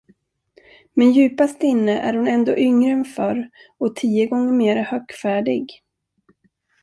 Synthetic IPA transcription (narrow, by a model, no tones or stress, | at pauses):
mɛnjʉ̟ːpast̪ɪnːəʔæ̰ɾhʊnɛnd̪o̰ːʔʏŋɾəɛnfœɾɔt̪ʰiːəɡɔŋːəɾmeːɾahœːkfæːɖɪɡ